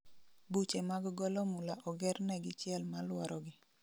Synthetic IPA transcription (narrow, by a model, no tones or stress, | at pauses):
but͡ʃemaɡɡɔlɔmulaʔɔɡɛrnɛɡɪt͡ʃɪɛlmalwɔɾʔɔɡɪ